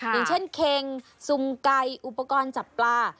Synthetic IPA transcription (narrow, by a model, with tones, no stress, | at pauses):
jjɯ˨˩˦t͡ɕʰe˥˩nkʰe˧ŋ | su˧mka˧jʔu˨˩pːa˧kɔː˧nt͡ɕa˨˩pːlaː˧